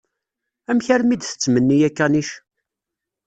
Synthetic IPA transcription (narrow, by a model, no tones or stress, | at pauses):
æmçəɾmid̪θə̥t͡sːmənːijækːæniʃ